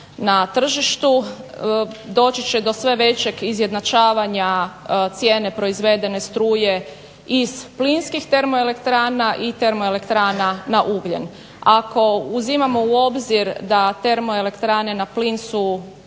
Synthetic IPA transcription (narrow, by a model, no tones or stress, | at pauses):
nat̪r̩ʒiʃt̪u | d̪o̞ːt͡ɕit͡ɕed̪o̞sʋe̞ʋe̞t͡ɕe̞ɡizje̞d̪nat͡ʃaːʋaɲat̪sje̞ːne̞pɾo̞izʋe̞d̪e̞ne̞st̪ɾuːje̞ | iz̥plinskixt̪e̞ɾmo̞e̞le̞kt̪ɾaːnaʔit̪e̞ɾmo̞e̞le̞kt̪ɾaːnanaʔuɡlʎḛn | ako̞uzimamo̞uo̞bziɾd̪at̪e̞ɾmo̞e̞le̞kt̪ɾaːne̞naplinsu